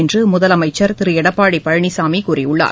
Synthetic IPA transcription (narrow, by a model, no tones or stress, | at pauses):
ɪndrɯmʊðɐlɐmɐɪt͡ʃːɐɾt̪ɪɾɯjɛɽɐpːaːɽipːɐɻɐɳisaːmikuːrɪjʊɭːa̰ːɾ